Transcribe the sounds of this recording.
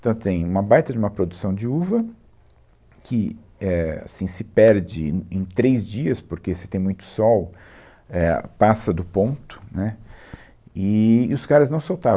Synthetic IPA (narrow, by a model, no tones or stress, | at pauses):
t̪ɐ̃w̃t̪ẽj̃ũmɐbajt̪ɐd͡ʒɪũmɐpɾod̪usɐ̃w̃d͡ʒɪuvɐ | kʰɪ | ɛa̰sĩsɪpɛɾd͡ʒɪẽj̃t̪ɾejzd͡ʒiɐspoɾkesɪ̥t̪ẽj̃mũj̃t̪ʊ̥sɔw | ɛpasɐd̪ʊpõnt̪ʊ̥nɛ | ɪʊskaɾɐznɐ̃w̃sowt̪aɾ